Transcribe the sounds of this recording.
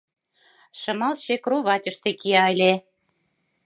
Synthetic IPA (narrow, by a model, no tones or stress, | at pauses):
ʃɤ̆mɑlʃekruβɑtʲə̆ʃt̪ekiɑjlʲe